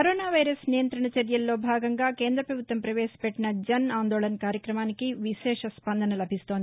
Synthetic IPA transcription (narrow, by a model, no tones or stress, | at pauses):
kɐɾoːnaːʋɐjɾɐsnijɐnt̪ɾɐɳɐt͡ʃɐɾjɐlːo̞ːbʱaːɡɐŋɡaːke̞ːnd̪ɾɐpɾɐbʱut̪ʋɐmpɾɐʋɛːsɐ̥pɛʈːinɐd͡ʒɐnaːnd̪oːlɐnɐkaːɾjɐkɾɐmaːnikiʋiʃɛːʂɐspɐnd̪ʱɐnɐlɐbʱist̪o̞ːnd̪i